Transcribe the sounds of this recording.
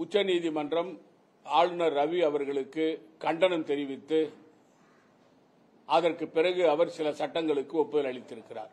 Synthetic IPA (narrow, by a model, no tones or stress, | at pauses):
ʊt͡ʃːɐniːðimɐndrɐm | aːɻɯnɐɾɐʋiɐʋɐɾɣɐɭɯkːɯkɐɳɖɐnɐmt̪ɛɾɪʋɪt̪ːɯ | ʔɐðɐrkɯpːɪrɐɣɯɐʋɐɾsɪlɐsɐʈːɐŋɡɐɭɯkːɯɔpːɯðɪlɐɭɪt̪ːɪɾɯkːɪra̰ːɾ